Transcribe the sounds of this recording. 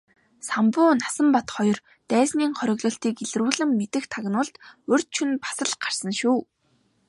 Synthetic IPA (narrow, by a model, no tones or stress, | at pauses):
sampʊːnasə̆mpat̪χɔjɞ̆r | t̪æːsniːŋχɔɾʲɪ̆ɣɮɞ̆ɬt̪iːkeɮ̆ruːɮɘ̆mːet̪ɘ̆xt̪ʰaɣnʊːɮt̪ɵr̥ʲt̪t͡ɕʰunpḁsə̆ɮɢar̥sə̆nʃuː